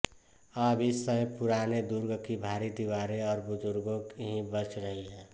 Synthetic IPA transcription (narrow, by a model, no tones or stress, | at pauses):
əbisəpʊɾaːned̪ʊɾɡkibʱaːɾid̪iwaːɾeɔːɾbʊd͡ʒʊɾɡõkeɦĩbət͡ʃɾəɦiɦɛː